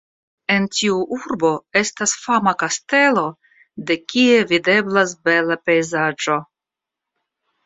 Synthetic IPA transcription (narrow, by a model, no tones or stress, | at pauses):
e̞ntiuʔuɾbo̞e̞stasfamakaste̞lo̞ | de̞kie̞vide̞blas̬be̞lape̞jzad͡ʒo̞